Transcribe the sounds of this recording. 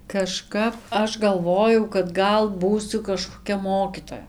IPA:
kɐˈʃkɐp ˈɐʃ ɡɐlˠˈʋoːjɛʊ kɐt ˈɡɐlˠ ˈbuːsʲʊ kɐʃkoːˈkʲɛ ˈmoːkʲiːtoːjɛ

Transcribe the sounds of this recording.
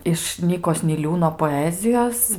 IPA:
ɪʃ ˈnʲiːkoːs nʲɪˈlʲuːnoː poːˈæːzʲɪjoːs

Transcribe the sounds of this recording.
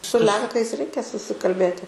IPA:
sʊ ˈlʲɛŋkɐɪs ˈrʲɛɪkʲɛ sʊsʲɪkɐlʲˈbʲeːtʲɪ

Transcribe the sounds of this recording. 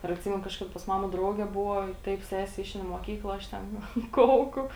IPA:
ɪr ɐtʲˈsʲiːmʲɛnʊ kɐʃˈkɑːdɐ pɐs ˈmɑːmɐ ˈdrɐʊɡʲɛ ˈbʊʋoː ˈtɐɪp ˈsʲæːsʲɛ ˈɪʃʲɛɪn ɪ muɔˈkʲiːklˠɐ ˈɐʃ tʲɛn ˈnʊ ˈkɐʊkʊ

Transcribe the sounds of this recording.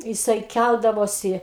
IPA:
jɪˈsɐɪ ˈkʲælˠdɐʋoːsʲɪ

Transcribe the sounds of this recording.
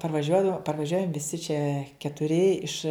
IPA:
pɐrʋɐˈʒʲuɔdɐw pɐrʋɐˈʒʲuɔjɛm ʋʲɪˈsʲɪ t͡ʃʲɛ kʲɛtʊˈrʲɪ ɪʃ

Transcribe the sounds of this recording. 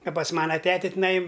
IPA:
ɐ pɐs ˈmɑːnɐ ˈtʲæːtʲɛ tʲɪˈnɐɪ

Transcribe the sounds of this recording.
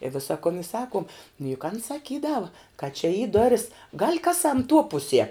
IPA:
ɪ ˈʋʲɪsɐ kʊn ɪ ˈsɑːkuɔm nʊ jʊk ɐn sɐˈkʲiːdɐʋɐ kɐ t͡ʃʲɛ iː ˈdoːrʲɪs ɡɐlʲ ˈkɑːˌsɐm tuɔ ˈpʊˌsʲiɛ

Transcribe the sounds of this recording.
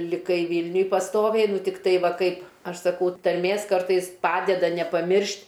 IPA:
lʲɪˈkɐɪ ˈʋʲiːlʲnʲʊj pɐsˈtoːʋʲɛɪ ˈnʊ tʲɪkˈtɐɪ ˈʋɐ ˈkɐɪp ˈɐʃ sɐˈkɐʊ tɐrʲˈmʲeːs ˈkɐrtɐɪs ˈpɑːdʲɛdɐ nʲɛpɐˈmʲɪrʲʃʲtʲ

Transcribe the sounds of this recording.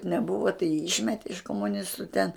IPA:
nʲɛˈbuːʋɐ tɐɪ jiː ˈiːʃʲmʲɛtʲɛ ɪʃ koːmʊˈnʲɪstʊ tʲɛn

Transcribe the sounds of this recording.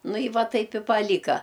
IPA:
ˈnʊ ɪ ˈʋɐ ˈtɐɪp ɪ pɐˈlʲiːkɐ

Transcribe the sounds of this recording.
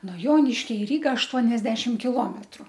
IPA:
noː ˈjoːnʲɪʃʲkʲɛ ɪ ˈrʲiːɡɐ ɐʃˈtuɔnʲɛzʲdʲɛʃʲɪm kʲɪˈlˠoːmʲɛtrʊ

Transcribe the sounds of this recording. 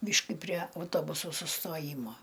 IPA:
ˈbʲiːʃʲkʲɪ pʲrʲiɛ ɐʊˈtoːbʊsʊ sʊstoːˈjiːmoː

